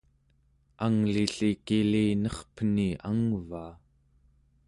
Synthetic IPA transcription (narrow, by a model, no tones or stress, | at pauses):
aŋliɬikiliːnʌχpəniaŋvaː